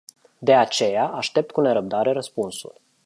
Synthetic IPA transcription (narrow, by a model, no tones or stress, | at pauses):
d̪e̞at͡ʃe̞jaʔaʃt̪e̞p̚t̪̚kune̞ɾəb̚d̪aɾe̞ɾəspunsṵl